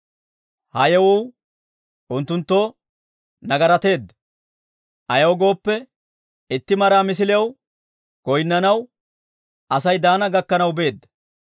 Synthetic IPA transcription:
hɐjɛwɔw | ʔʊnt̪ːʊnt̪ːo̞ː | nɐɡɐɾɐt̪e̞ːd̪ːɐ | ʔɐjɐwɡo̞ːpːɛ | ɪt̪ːɪmɐɾaːmɪs̬ɪlɛɐw | ɡ̥ɔjɪnːɐnɐw | ʔɐsɐjd̪aːnɐɡɐkːɐnɐwbe̞ːd̪ːɐ

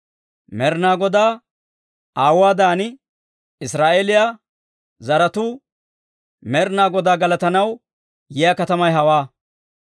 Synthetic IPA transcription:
mɛɾnaːɡɔd̪aː | aːwaːd̪aːnɪ | ɪsɾaːʔelɪjaː | zɐɾɐt̪uː | mɛɾnaːɡɔd̪aːɡɐlɐt̪ɐnɐw | jɪjakɐt̪ɐmɐjɦɐwaː

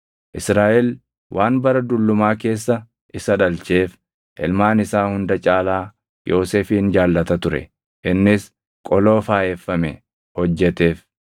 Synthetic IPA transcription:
ʔɪsɾaːʔɛl | wʔaːnbɐɾɐd̪ʊlːʊmaːke̞ːsːɐ | ʔɪsɐᶑɐlt͡ʃe̞ːf | ʔɪ̰lmaːnɪsaːhʊnd̪ɐt͡ʃʼaːlaː | jʔo̞ːseːfiːnd͡ʒaːlːɐt̪ɐt̪ʊɾɛ̰ | ʔɪnːɪs | kʼɔlo̞ːfaːʔɛfːɐmɛ | hɔd͡ʒːɛt̪e̞ːf

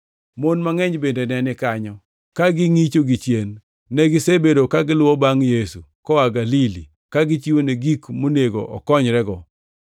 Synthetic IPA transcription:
monmaŋɛɲbendenɛnɪkaɲɔ | kaɡɪŋit͡ʃoɡit͡ʃjenː | ɛɡɪsebedokaɡɪlwɔbaŋjesukɔwaɡalili | kaɡɪt͡ʃiwoneɡikmoneɡo̰ʔɔ̰kɔɲɾɛɡɔ

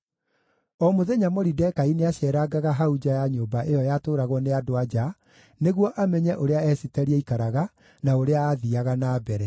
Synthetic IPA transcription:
ɔmoðɛɲamɔɾidɛkaineaɕɛːɾaɡaɣaɦaud͡ʒajaɲoːbaʔejɔjatoːɾaɣwɔneadoad͡ʑa | neɣwɔʔamɛɲɛʔoɾeaɛsitɛɾiɛikaɾaɣa | naoɾeaːðiaɣanaːbɛɾɛ

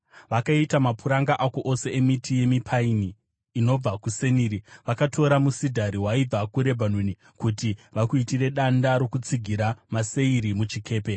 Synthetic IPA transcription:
ʋakaitamapʰuɾaŋɡaʔako̞ʔose̞emitije̞mipʰainiː | no̞b͡vakuse̞niːɾiʋakatʰo̞ɾamusidʱaɾiwaib͡vakuɾe̞bʱanweni | kutiʋakuitire̞ɗandaɾo̞kut͡siɡʱiɾamase̞iɾimut͡ʃikʰe̞ːpe̞

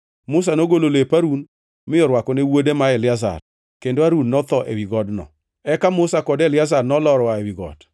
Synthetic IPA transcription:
mʊs̬anoɡololepaɾun | mɪɔɾwakɔnewodemaɛlɪaza̰r | kendoaɾunːɔt̪ɔʔḛwiɡɔdnɔ̰ | ɛkamʊsakɔdɛlɪazarnɔlɔɾwaɛwiɡɔ̰d

